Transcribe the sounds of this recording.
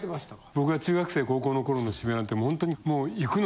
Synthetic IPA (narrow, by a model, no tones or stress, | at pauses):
t̪emaɕi̥t̪abo̞kɯβat͡ɕɨːɡakɯ̥seːko̞ːko̞ːno̞ko̞ɾo̞no̞ɕibenãnt̪ːemohõ̞nt̪o̞ɲ̟imoːikɯ̟n